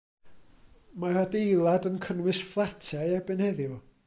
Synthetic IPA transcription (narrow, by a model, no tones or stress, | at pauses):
maradejlˠadənkʰənwɨsflˠatʰajabɛnhɛðjʊ